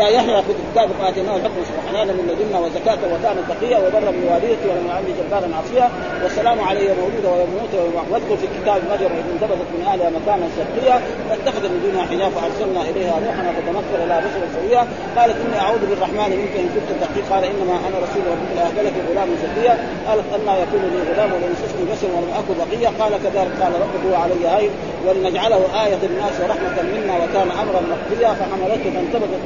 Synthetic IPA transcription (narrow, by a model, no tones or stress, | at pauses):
ajaħniɾafid̪aki̥t̪aːbqɑːlat̪ʔinːahalħʊkmasubħanaːnamɪnlad̪inːawazakaːt̪awakaːnat̪ɑqijːawabɑrˤːɑmnwaːdid̪at̪iwalamjʕamd̪id͡ʒabːaːlanʕɑsˤɨja | wasːalaːmʕalajːamawd͡ʒuːd̪awajammuːt̪wawad̪kulfikit̪aːbmaʒɑɾˤmʊnt̪abat̪at̪mɪnʔahlwamakaːnasɑbqijːa | wat̪ːaxad̪amind̪uːnhaħɪd͡ʒaːfaʔɑɾˤsalnaʔilajhanuːħnat̪at̪anakːɑɾlahabaʃɑɾˤɑlsˤɑwijːa | qɑːlat̪ʔinːiʔaʕuːd̪bɪrˤːɑħmaːnimɪnkaɪnkunt̪at̪ːaqiːqɑːlaʔɪnːamaʔanaɾˤɑsuːlɾɑbut̪alʔahbalafiɣʊlaːmasɑbːɪjːa | qɑːlat̪ʔanːahajakuːnliɣʊlaːmwalinast̪asnibaʃɑɾwalamʔakulbɑqɨjːaqɑːlakaðaːlɪk̚qɑːlaɾˤɑqubhuwaʕalajːahaj | walinad͡ʒʕalahuʔaːjat̪ˤɪnnːaːswɾˤɑħmat̪amɪnːawɪkaːnʔamɾˤɑnmɑqd̪ˤɨjːafaħamɑlat̪hfant̪abat̪at̪